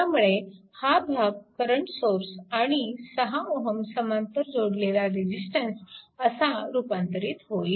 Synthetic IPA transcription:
amuɭe | habʱaɡ̚kəɾəɳʈsoɾsaɽ̃isəɦamoɦəmsəmãnt̪əɾd͡zoɽlelaɾid͡ʑisʈənsəsaɾupãnt̪əɾiːt̪ɦoi

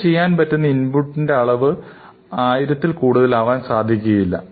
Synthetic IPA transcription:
t͡ɕe̞jːaːnpɐtːunːɐinbuʈːindeɐɭɐʋɨ | aːjiɾɐt̪ːilkuːɽuðɐlaːʋaːnsaːd̪ʱjikʲːuɣɐjilːɐ̰

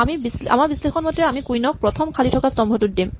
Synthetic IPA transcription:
amibisa̰maɾbislexʰɔnmot̪ɾeamikujnɔk̚pɾɔt̪ʰomkʰalitʰɔkasɔmbʱoʈuʈ̚d̪em

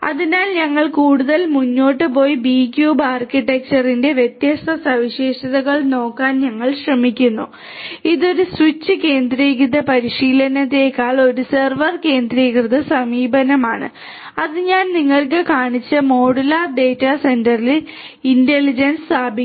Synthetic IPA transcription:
ɐ̰ðinaːlɲɐŋːɐɭkuːɽuðɐlmuɲːo̞ːʈːɨp̬o̞ːjibiːkʲjuːbaːrkiʈːek̚t͡ɕɐrinde̞ʋjet̪jɐst̪ʰɐsɐʋiɕeːʂɐðɐɣɐɭno̞ːkːaːnɲɐŋːɐɭɕrɐmikʲːunːu | iðo̞ɾuswit͡ɕːɨke̞ːnd̪riːɣiðɐpɐɾiɕiːlɐnɐt̪ːeːkːaːɭo̞ɾuserʋɐrke̞ːnd̪riːɣrɨðɐsɐmiːbʱɐnɐmaːɳɨ̰ | ɐðɨɲaːnniŋːɐɭk̬ɨkaːɳit͡ɕːɐmo̞ːɽulaːɖe̞ːtːase̞ndɐril | inte̞lid͡ʑɐnssaːbʱi

